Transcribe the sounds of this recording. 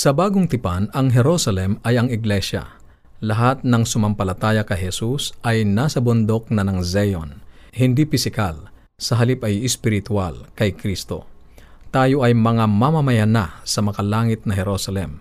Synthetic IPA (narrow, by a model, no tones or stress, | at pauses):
sɐbaːɡoŋt̪ɪpanɐŋɦɛɾosɐlɛmɐjɐŋɪɡlɛʃɐ̰ | lɐɦat̪̚nɐŋsʊmɐmpɐlɐt̪aːjɐkɐjhɛsusʔɐjnaːsɐbʊnd̪o̞k̚nɐnɐŋzɛjo̰nhɪnd̪ipɪsɪkal | sɐɦɐlipɐjɪspɪɾɪt̪walkɐjkɾist̪o̞̰ | t̪aːjo̞ʔɐjmɐŋamamɐmɐjanasɐmɐkalaːŋɪt̪̚nɐɦɛɾosɐlɛm